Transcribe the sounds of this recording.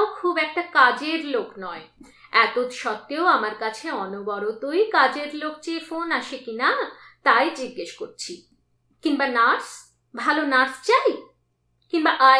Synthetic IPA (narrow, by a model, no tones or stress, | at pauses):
okʰubɛk̚ʈakad͡ʑeɾloknɔe | ɛt̪ot̪ʃɔt̪ːeoamaɾkat͡ɕʰeɔnobɔɾot̪ojkad͡ʑeɾlok̚t͡ɕefonaʃekinat̪ajd͡ʑiɡːeʃkoɾt͡ɕʰi | kiŋbanaɾs | bʱalonaɾst͡ɕaj | kiŋbaʔa